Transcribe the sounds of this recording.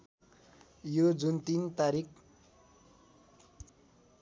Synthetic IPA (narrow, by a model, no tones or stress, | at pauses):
jod͡zunt̪int̪aɾik